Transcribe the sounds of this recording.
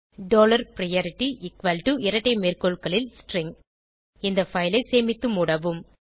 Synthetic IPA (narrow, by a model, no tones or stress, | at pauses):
ɖoːlɐɾpɾɐjɐːɾɪʈːiʔɪkʋɐlʈuʔɪɾɐʈːɐɪmeːrkoɭkɐɭɪlsʈɾɪŋ | ɪnd̪ɐfɐɪlɐɪseːmɪt̪ːɯmuɽɐʋɯm